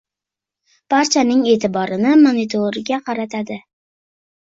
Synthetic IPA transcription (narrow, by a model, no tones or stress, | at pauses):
b̥aɾt͡ʃʰanɪŋe̞ːt̪ʰɪbɒɾɪnɪmonit̪ʰoɾɪɡʲaqʰɑɾat̪ʰad̪ɪ